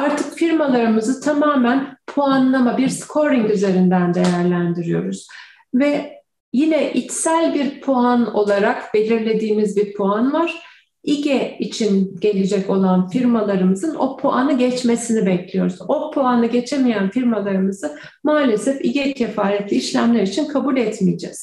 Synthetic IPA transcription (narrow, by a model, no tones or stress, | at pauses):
aɾt̪ʰɯkfiɾmalˠaɾɯmɯzɯt̪ʰamaːmænpʰoanlˠamabiɾskʰo̞ɾiŋkyze̞ɾind̪ænd̪e̞jæɾlʲænd̪iɾijo̞̰ɾuz̥ | vɛ | jinɛʔicsælʲbiɾpʰoano̞lˠaɾakbe̞lʲiɾlʲe̞d̪iːmizbiɾpʰoanvaɾ̥ | iɟɛit͡ʃʰinɟ̥e̞lʲed͡ʒɛco̞lˠanfiɾmalˠaɾɯmɯzɯno̞pʰoʔanɯɟɛt͡ʃme̞sinibɛclʲijo̞̰ɾuz̥o̞pʰoanɯɟe̞t͡ʃʰemijænfiɾmalˠaɾɯmɯz̥ɯ | maːlʲe̞sɛfiɟɛcʰefaːɾɛt̪lʲiːʃlʲæmlʲæɾit͡ʃʰinkʰabulʲɛt̪mijd͡ʒɛ̰z̥